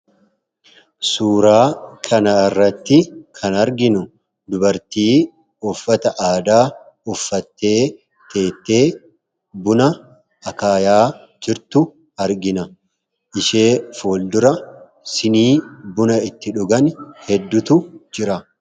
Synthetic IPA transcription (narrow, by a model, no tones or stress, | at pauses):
suːɾaːkʰɐnɐɪrːɐt̪ːɪkʰɐnɐɾɡɪnʊ | d̪ʊbɐɾt̪iː | ɔfːɐt̪ɐʔaːd̪aː | ɔfːɐt̪ːe̞ː | t̪e̞ːt̪ːe̞ː | bʊnɐ | ɐkaːjaː | d͡ʒɪɾt̪ʊ | ɐɾɡɪnɐ | ʔɪʃe̞ːfoːld̪ʊɾɐ | sɪniːbʊnɐɪt̪ːɪᶑʊɡɐnhɛd̪ːʊt̪ʊd͡ʒɪɾɐ